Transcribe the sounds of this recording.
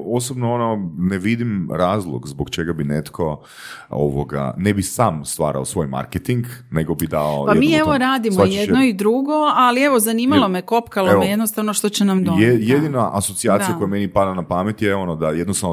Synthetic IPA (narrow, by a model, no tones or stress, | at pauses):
o̞sobnoono̞neʋid̪imɾaːzlˠo̰ɡzbokt͡ʃe̞ɡabinet̪kʰo̞ | o̰ʋo̰ɡa̰nebisaːmst̪ʋaːɾa̰osʋo̞jma̰ɾket̪iŋɡne̞ɡo̞bid̪ao̰pajemieʋoɾaːd̪imoajednoid̪ɾuɡoalieʋozaniːmalˠo̞meko̞pkaloeoejed̪nost̪aʋnoʃt̪ot͡ɕenamd̪oejed̪inaʔasot̪iaːt̪ijako̞jamenipad̪anapamet̪jeo̞nod̪ajed̪nost̪aʋn